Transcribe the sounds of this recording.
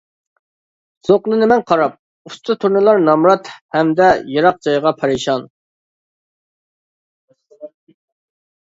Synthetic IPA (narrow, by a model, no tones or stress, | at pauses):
z̥oqlˠɨnɨmɛnqʰɑɾɑp̚ | ust̪ʰɨt̪ʰuɾnɨlˠɑɾnɑmɾɑt̪hɛmd̪ɛjɑɾɑq̚d͡ʒɑjʁɑpʰɑɾɨʃɑn